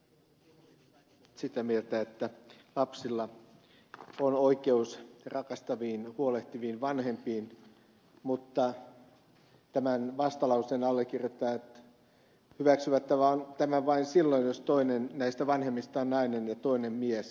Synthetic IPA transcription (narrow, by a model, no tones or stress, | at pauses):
sit̪æmielt̪æet̪ːælɑpsilːɑ | onoikeusrɑkɑst̪ɑʋiːnhuoleht̪iʋiːnʋɑnhempiːn | mut̪ːɑ | t̪æmænʋɑst̪ɑlɑusenɑlːekːirjot̪ːˑɑːt̪ | hyʋæksyʋæt̪ːæʋæont̪æmæʋɑinsilːo̞injost̪oinennæist̪æʋɑnhemːist̪ɑonnɑinenjɑt̪o̞inemmies